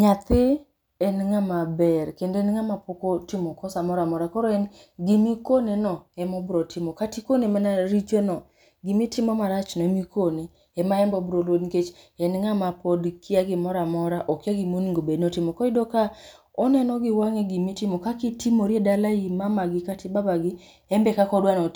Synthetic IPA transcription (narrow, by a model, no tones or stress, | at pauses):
ɲat̪ɪ | ɛnŋamabɛrkendɛnŋamapokotɪmɔkɔsamɔɾamɔɾakɔɾɔɛn | ɡɪmikonenɔɛmɔbɾɔtʰɪmɔkatikonemanaɾit͡ʃonɔ | ɡɪmitɪmɔmaɾat͡ʃnɔɛmikone | ɛmaɛmbɔbɾolodket͡ʃ | ɛnŋamapɔdkʰɪaɡimɔɾamɔɾaʔɔkaɡimoniŋɡobednɔtimɔkɔidoka | ɔnɛnɔɡiwaŋɛɡimitimɔkakitimoɾiedalaimamaɡɪkatibabaɡɪ | ɛmbɛkakɔdwanɔ